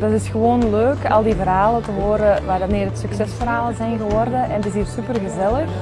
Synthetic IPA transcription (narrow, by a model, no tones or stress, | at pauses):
d̥ɑtɪsxəʋoːnløːkɑ̰lˠdivərɦaːlətəɦoːɾəʋaːɾmeːɾətsyksɛsfərɦaːləzɛjnɣəʋɔrdəʔɛnətɪs̬ɦiːrsypərɣəzɛləx